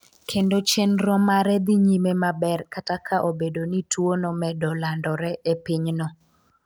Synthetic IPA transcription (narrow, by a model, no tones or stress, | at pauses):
kʰendot͡ʃɛnɾɔmaɾɛd̪iɲimemabɛrkatakʰaʔobedonitwonɔmɛdɔlandɔɾɛʔepiɲnɔ